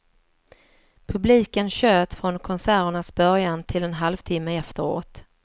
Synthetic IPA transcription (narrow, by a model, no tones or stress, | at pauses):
pʰɵbliːkənɕøːt̪fɾɔnkʰɔnsæːɾaɳasbœɾjant̪ʰɪlɛnɦalvt̪ʰɪmːəɛft̪əɾo̰ːt̪